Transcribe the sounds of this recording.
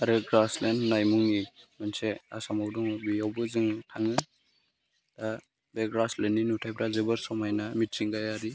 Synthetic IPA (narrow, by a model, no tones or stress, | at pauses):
aɾɯɡɾaslennajmuŋimansea̰samawduŋbijawbɯzɯŋtʰaŋɯ | da | beɡɾaslenːinutʰajpʰɾazɯbɯɾsɔmajnamit̚siŋɡajaɾi